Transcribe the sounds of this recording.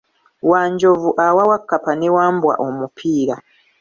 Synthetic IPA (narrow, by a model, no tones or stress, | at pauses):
waːɲɟo̞vuʔawawakːapanewaːmbwa̰ʔo̞mupʰiːɾa